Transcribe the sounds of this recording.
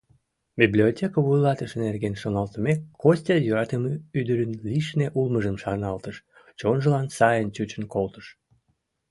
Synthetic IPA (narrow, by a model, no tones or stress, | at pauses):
biblʲiotʲekəβujlɑt̪əʃenerɣenʃonɑlt̪əmekːosʲt̪ʲɑjøɾɑt̪əmyd̪əɾənliʃneʔulməʒəmʃɑnɑlt̪əʃ | t͡ɕonʒəlɑnsɑjənt͡ɕut͡ɕənkolt̪ə̥ʃ